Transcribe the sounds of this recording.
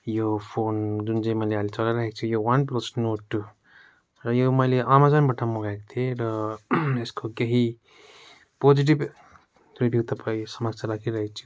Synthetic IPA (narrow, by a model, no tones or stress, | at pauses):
jopʰond͡zund͡zaĩmʌjlealit͡sʌlaɾaɦekt͡sʰujowʌnplosnoʈu | rʌjomʌjleamad͡zʌnbʌʈʰamoɡaekot̪ʰieɾʌeskokeɦi | pod͡ziʈ̬ib | ribʱjuɡt̪ʌpaĩsʌmaɡt͡sʰaɾakʰiɾʌɦekt͡sʰu̥